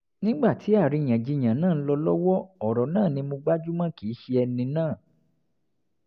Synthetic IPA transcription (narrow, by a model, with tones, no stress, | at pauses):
nĩ˦ɡ͡ba˦˨tʰi˨˦a˦˨ɾi˨˧j̃ã˨d͡ʒi˧ɲ̃ã˨nãː˦˨˦lɔ˧lɔ˦wɔ˦ɔ˨ɾɔ˨nãː˦˨nĩ˧mõ˧ɡ͡ba˦d͡ʒu˦mã˦ki˨˦ʃi˧˦ɛ˧nĩ˧nãː˦˨